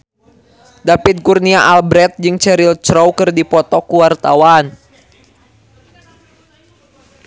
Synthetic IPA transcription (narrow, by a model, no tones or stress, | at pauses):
dapit̪̚kurniaʔalbɾɛt̪̚d͡ʒɨŋt͡ʃɛɾilt͡ʃɾɔwkɨrdipɔt̪ɔkuwart̪awan